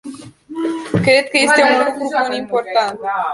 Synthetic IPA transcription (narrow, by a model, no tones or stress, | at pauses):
kɾed̪̚kəje̞st̪eunɡɾupunimpo̞rt̪ant̪